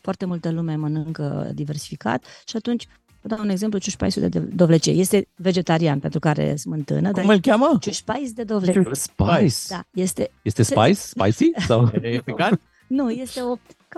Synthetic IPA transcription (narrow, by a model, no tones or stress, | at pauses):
foart̪emult̪əlumemənɨŋkə̰d̪ive̞ɾrsi̥fika̰t̪ʃiat̪unt͡ʃʲ | vəd̪auneɡze̞mplut͡ʃuʃpa̰jsud̪ḛd̪o̞vlet͡ʃiḛje̞st̪e̞ve̞d͡ʒe̞t̪aɾianpent̪ɾukaɾḛsmɨnt̪ɨ̰nədk̪aumɨlkʲamət͡ʃuʃpajsd̪e̞d̪o̞vlespsd̪aje̞st̪e̞jest̪espa̰jsːppa̰jsisawepikan | nuje̞st̪e̞op̚t̪ka